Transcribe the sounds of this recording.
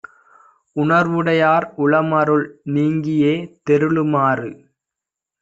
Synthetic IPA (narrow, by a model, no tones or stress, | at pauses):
ʊɳɐɾʋɯɽɐjaːɾʊɭɐmɐɾɯɭniːŋɡɪjeːt̪ɛɾɯɭɯmaːrɯ